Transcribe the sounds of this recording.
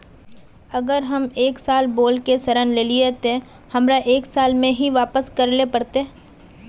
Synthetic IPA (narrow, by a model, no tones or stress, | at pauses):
ɐɡəɾɦɐmeːksaːlboːlkesɐɾə̃nleːliet̪e | hɐmɾaʔeːksaːlmẽɦiʋaːpəskɐɾlepɐɽt̪e